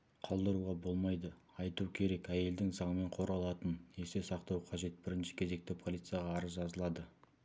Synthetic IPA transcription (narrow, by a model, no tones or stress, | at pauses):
qʰolˠd̪əɾuʁɑbo̞lˠmɑjd̪ə | ɑjt̪ukʲʰe̞ɾe̞kæje̞ld̪ɪŋzɑɴəme̞ɴqʰo̞ɾɑlˠɑt̪əne̞se̞sɑqt̪ɑwqʰɑʒe̞t̪̚bɪɾɪnʃɪ̥kʲʰe̞ze̞k̚t̪ɪpʰo̞lʲˠijt̪sɨjɑʁɑːɾəzʒɑzəlˠɑd̪ə